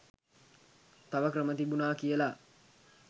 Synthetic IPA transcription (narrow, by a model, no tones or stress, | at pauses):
t̪aʋəkrəmət̪ibunaːkijəla